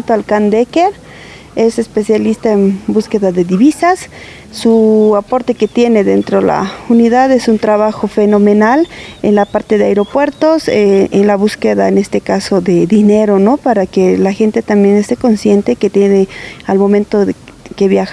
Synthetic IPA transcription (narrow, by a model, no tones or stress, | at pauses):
t̪oalkand̪ekeɾ | ese̞spe̞sjalist̪aembuskeðaðeðiβisasː | uapo̞ɾt̪e̞ket̪je̞ne̞ðe̞nt̪ɾola̰uniðaðe̞sunt̪ɾaβaxofenomenalenlapaɾt̪e̞ðeaeɾo̞pwe̞ɾt̪o̞seenlaβuskeðaene̞st̪ekasoðeðineɾono̞paɾakelaxe̞nt̪e̞t̪ambje̞nest̪eko̞nsjent̪e̞ket̪jenealmo̞mẽnt̪oðkeβjax